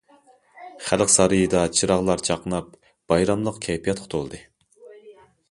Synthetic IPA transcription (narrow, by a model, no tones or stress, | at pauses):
χælqsɑɾɨjɨd̪ɑt͡ʃʰɨɾɑʁlˠɑɾt͡ʃʰɑqnɑp̚ | b̥ɑjɾɑmlˠəqkʲʰɛjpʰijɑt̪̚qʰʊ̥t̪ʰolˠd̪ɨ